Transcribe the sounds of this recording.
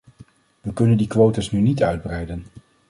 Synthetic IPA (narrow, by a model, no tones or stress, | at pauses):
ʋəkɵnəndikʋowtəsnynitœɥd̚brɛjdən